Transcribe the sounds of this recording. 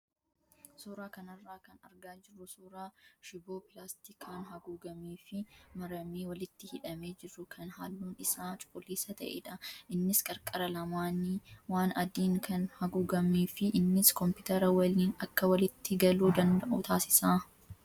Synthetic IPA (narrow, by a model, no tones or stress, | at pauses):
suːɾaːkɐnɐrːaːkɐnɐɾɡaːd͡ʒɪrːʊsuːɾaːʃɪboːpɪlaːst̪ɪkʰaːnɦɐɡuːɡɐmeːfɪmɐɾɐmeːwɐlɪt̪ːɪhɪᶑɐme̞ːd͡ʒɪrːʊkʰɐnhaːlːuːnɪsaːt͡ʃʼʊkʼːʊliːsɐt̪ɐ̰ʔḛːᶑɐʔɪnːɪskʼɐɾkʼɐɾɐlɐmaːniwaːnɐd̪iːŋkʰɐnhɐɡuːɡɐmeːfɪʔɪnːɪskɔmpɪt̪ɐɾɐwɐliːnɐkːɐwɐlɪt̪ːɪɡɐluːd̪ɐnd̪ɐʔʊt̪ʰaːsɪ̥saː